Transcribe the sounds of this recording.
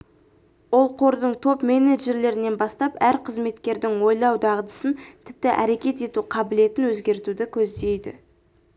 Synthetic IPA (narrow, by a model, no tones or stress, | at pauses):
wo̞lˠqʰo̞ɾd̪əɴt̪ʰo̞pme̞ne̞ʒe̞ɾle̞ɾɪne̞nbɑst̪ɑpæɾqʰəzme̞t̪kʲe̞ɾd̪ɪŋwo̞jlˠɑwd̪ɑʁəd̪ə̥sənt̪ʰɪp̚t̪ɪʔæɾe̞kʲe̞t̪e̞t̪uqʰɑbɪle̞t̪ɪnwɵzɡʲe̞ɾt̪ud̪ɪkʲʰɵzd̪e̞jd̪ɪ̰